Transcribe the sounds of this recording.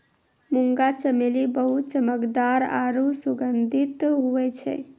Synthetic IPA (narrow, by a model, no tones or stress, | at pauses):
muŋɡat͡ʃəmelibəɦut̪t͡ʃəməkd̪aɾa̰ɾusuɡənd̪ʱit̪ɦuɛt͡ʃʰɛ̰